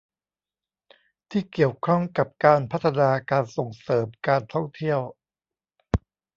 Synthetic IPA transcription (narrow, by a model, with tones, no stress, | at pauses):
t̪ʰiː˥˩ki˨˩əwkʰɔ˥˩ŋka˨˩p̚kaː˧npʰa˦˥t̪ʰːa˧naː˧kaː˧nso˨˩ŋsɤː˩˦mkaː˧nt̪ʰɔ˥˩ŋt̪ʰi˥˩əw